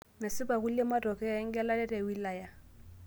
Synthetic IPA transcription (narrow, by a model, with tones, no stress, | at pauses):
mɛ˨sɪ˦pa˨ɣu˦le˦ma˦tʼɔ˨kɛ˦˨˦ŋ̩˦kɛ˦la˦lɛ˦tʼɛ˨wi˦la˨ja˦